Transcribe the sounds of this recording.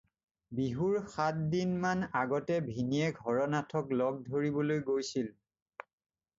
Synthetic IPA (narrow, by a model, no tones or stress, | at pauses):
biɦuɹxat̚dinmanaɡɔtɛbʱiniɛɡʱɔɹɔnatʰɔklɔɡ̚dʱoɹibɔlojɡojsil